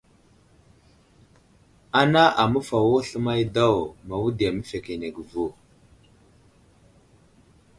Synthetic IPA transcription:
a˨na˦ʔa˨mə˦fa˨wo˦ɬə˦ma˦jda˦˨wma˨wu˦da˨mə˦fe˨ke˨ne˨ɡvo˦

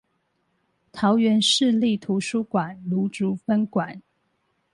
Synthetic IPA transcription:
t̪ʰɑ˨˧˦ʊɥɛ˧˥nʂɻ̩˥˧li˥˨t̪ʰu˧˥ʂu˥kwa˨˩˦nlu˧˦ʈ͡ʂu˧˥˦fə˥nkwa˨˩˦n

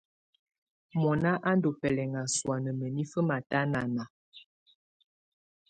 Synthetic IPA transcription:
mɔ˨na˦ʔa˦ndo˨pɛ˨lɛ˨ŋa˨swa˨nə˨mə˨ni˦fə˦ma˨ta˦na˨na˨

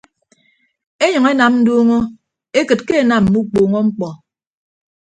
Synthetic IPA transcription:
e˦ɲʌ˨ŋe˦na˨mn̩˦do˦ŋo˦ | e˦kɨ˨t̚ke˦e˨na˨m̩˨mu˦k͡poː˨ŋɔ˦ŋ͡m̩˦k͡pɔ˨

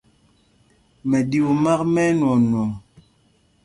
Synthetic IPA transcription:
mɛ˨di˦u˨ma˦kmɛ˦nwɔ˨n˨ɔ˨ŋ

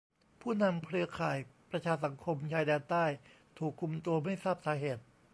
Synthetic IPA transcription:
pʰuː˥˩na˧mkʰɾɯ˧ɐkʰaː˨˩jpɾa˧t͡ɕʰaː˧s̬a˩˦ŋkʰo˧mt͡ɕʰaː˧jdɛː˧nt̪aː˥˩j | t̪ʰuː˨˩kʰːu˧mt̪u˧ɐma˥˩jsaː˥˩p̚saː˨˩˦ɦeː˨˩t̪̚

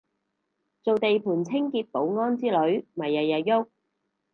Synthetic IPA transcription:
t͡so˨wt̪e˨jpʰuː˨˩nt͡sʰɪ˥ŋkiː˧t̚po˨˧˥wŋɔː˥nt͡siː˥lɵ˨˧ɥmɐ˨˩jːɐ˨jɐ˨tjʊ˥k̚

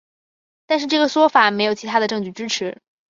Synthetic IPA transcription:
t̪a˥˧nʂ̬ɻ̩˥˧ʈ͡ʂɤ˥˩ɡə˩ʂwɔ˥fa˨˩˦me˧˥ɪjo˨˩ʊt͡ɕʰi˧˥a˥d̪ə˧ʈ͡ʂɤ˥˧ŋt͡ɕy˥˩ʈ͡ʂɻ̩˥ʈ͡ʂʰɻ̩˧˥

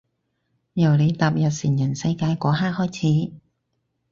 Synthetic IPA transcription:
jɐ˨˩wle˨˧jt̪aː˨p̚jɐ˨t̚siː˨˩njɐ˨˩nsɐ˧jkaː˧jkʷɔː˨˥ɦaː˥k̚hɔː˥jt͡sʰiː˨˥

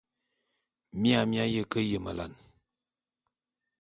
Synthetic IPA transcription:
mi˦a˦˨mja˦jə˦kə˦jə˨mə˨la̰˨n

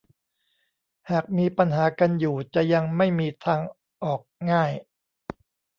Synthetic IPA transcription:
haː˨˩k̚miː˧pa˧nɦaː˩˦ka˧njuː˨˩t͡ɕa˨˩ja˧ŋma˥˩jmiː˧t̪ʰaː˧ŋ | ʔɔː˨˩k̚ŋaː˥˩j

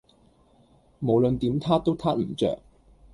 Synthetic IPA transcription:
mo˨˩wlə˨˧nt̪iː˨˥mt̪ʰaː˥t̪o˥wt̪ʰaː˥t̚m̩˨˩t͡ʃœ̰ː˨k̚

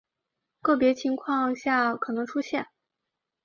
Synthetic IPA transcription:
kɤ˥˩p̬jɛ˧˥t͡ɕʰi˧˥ŋkʰwɑ˥˧ŋɕja˥˩kʰɤ˨˩nɤ˧˥ŋʈ͡ʂʰu˥ɕjɛ˥˩n

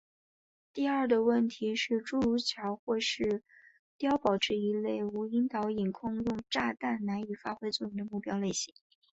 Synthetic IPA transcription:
t̪i˥˧ɐ˞˥˩d̪ə˩wə˥˩nt̪ʰi˧˥ʂɻ̩˥˧ʈ͡ʂu˥˧ɻu˧˥t͡ɕʰjɑ˧˥ʊxwɔ˥˧ʂɻ̩˥˩ | t̪jɑ˥ʊpɑ˨˩ʊʈ͡ʂʰɻ̩˥˩i˧˥le˥˩ɪu˧˥i˧˥nt̪ɑ˧˥ʊi˨˩nkʰʊ˥˧ŋjʊ˥˧ŋʈ͡ʂa˥˧t̪a˥˩nna˧˥ny˨˩fa˥xwe˥ɪt͡swɔ˥˩jʊ˥˩ŋd̪ə˧mu˥˩pjɑ˥ʊle˥˩ɪɕi̥˧˥ŋ

